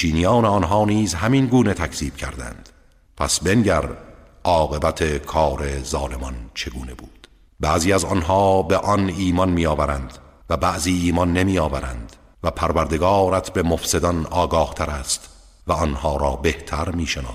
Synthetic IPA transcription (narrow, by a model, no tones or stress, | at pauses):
t͡ʃiːnijɒːneɒnɦɒːniːzhæminɡuːne̞t̪ʰækʰz̥iːb̥̚cʰæ̰ɾd̪æ̰nd̪̥ | pʰæ̰sbe̞nɟæɾ | ɒːɣe̞bæt̪ʰekʰɒːɾe̞zɒːle̞mɒnt͡ʃʰe̞ɡuːne̞buːd̪̥ | bæːziːæzɒnɦɒːbeʔɒniːmɒnmiːɒːvæɾænd̪ | væbæʔziːiːmɒnːemiːɒːvæɾænd̪ | væpʰæɾvæɾd̪e̞ɡɒːɾæt̪ʰbe̞mofse̞d̪ɒnɒːɡɒːht̪ʰæɾæst̪ | væɒnhɒːɾɒːbe̞ht̪ʰæɾmiːʃenɒ̰ː